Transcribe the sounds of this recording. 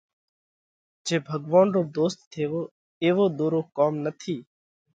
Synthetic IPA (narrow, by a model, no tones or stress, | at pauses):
d͡ʒeːbʱəɡʋaːnɾoːd̪oːst̪ːʰeːʋoː | eːʋoːd̪oːɾoːkaːmnət̪ʰiː